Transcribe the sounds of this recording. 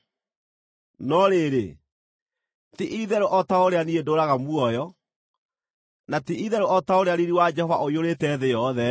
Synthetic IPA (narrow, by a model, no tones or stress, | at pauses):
nɔɾeːɾe | tiʔiðɛɾoʔɔtaoɾeaniedoɾaɣamwɔjɔ | natiiðɛɾoʔɔtaoɾeaɾiɾiwad͡ʒɛhɔva̰ʔoioɾetɛːðejɔðɛ